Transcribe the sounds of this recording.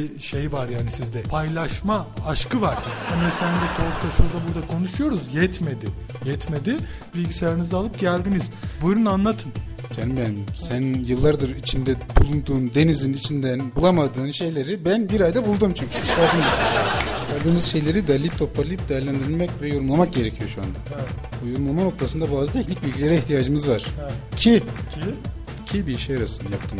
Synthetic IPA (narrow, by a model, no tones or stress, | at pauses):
iʃejvaɾjaːnisizd̪ɛpʰajlˠaʃmaaʃkɯvaɾ̥hanɛsænd̪ɛkʰo̞ɾt̪ʰaʃuɾd̪abuɾd̪akʰo̞nuʃujo̞ɾuzjɛt̪me̞d̪ɪ | jɛt̪me̞d̪ɪ | bilʲɟisejaɾinizɛalˠɯp̚ɟælʲd̪iniz̥bujɾunanlˠat̪ʰɯn | cʰanimbænmsænjɯlˠːaɾd̪ɯɾit͡ʃʰind̪ɛbulˠund̪uːnd̪e̞nizinit͡ʃʰind̪ænbulˠamad̪ɯːnʃe̞jlʲe̞ɾibænbiɾajd̪abulˠd̪umt͡ʃʰyɲcʰyt͡ʃʰɯ̥kʰaɾd̪ɯːmit͡ʃʰɯ̥kʰaɾd̪ɯːmɯz̥ʃe̞jlʲe̞ɾid̪alʲip̚t̪ʰo̞pʰaɾlʲˠiip̚d̪ejæɾlʲænd̪iɾilʲmɛcvɛjo̞ɾumlˠamak̚ɟe̞ɾe̞cʰijo̞ʃua̰nd̪a | bujuɾumlˠamano̞k̚t̪ʰasɯnd̪abaːzɯt̪ʰɛcnic̚bilʲɟʲisʲeɾɛiçt̪ʰijaːd͡ʒɯmɯzvaɾ̥cʰicʰi | cʰibiʃejaɾasɯnjap̚t̪ʰɯːm